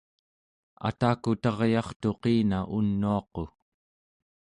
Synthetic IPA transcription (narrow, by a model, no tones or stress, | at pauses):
a̰t̪aːkut̪ɑʁjɑχt̪oqiːnaʔunːuɑqo̞